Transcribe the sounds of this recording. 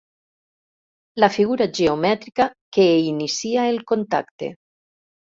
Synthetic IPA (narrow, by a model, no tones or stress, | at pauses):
lafiɣuɾaʒeomɛt̪ɾikakeinisiaelkont̪a̰kt̪ḛ